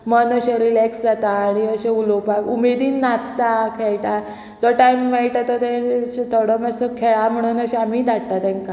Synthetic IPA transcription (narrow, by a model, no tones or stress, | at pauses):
mənəɕeɾilɛksd͡zat̪aːɽ̃iəɕeulopakumed̪iːnːat͡st̪akʰeɭʈa | d͡zɔʈajmʋajʈat̪ət̪ɛ̃ɕet̪ʰoɽəmɛsɔkʰeɭam̤əɽ̃uːnəɕẽamiːd̪ʱaɽt̪at̪ɛ̃ŋka